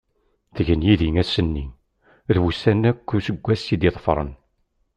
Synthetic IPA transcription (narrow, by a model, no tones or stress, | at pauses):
θəʝənjiðiŋæsənːi | ðwusænːækːusəɡʷːæsid̪iðˤfɾˤə̰n